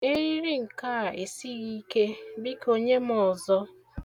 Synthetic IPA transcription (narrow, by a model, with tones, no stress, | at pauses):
e˦ɾi˦ɾi˦ŋ̩˨ka˦˨e˨si˦ɣi˦ke˦bi˦ko˦ɲe˦m˦ɔ˨zɔ˦